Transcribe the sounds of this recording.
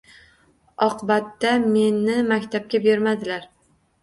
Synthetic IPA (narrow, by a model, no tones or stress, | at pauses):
ɒqʰɨbat̪ːame̞nːɪmakʲt̪ʰap̚kʲabeɾmad̪ɪlaɾ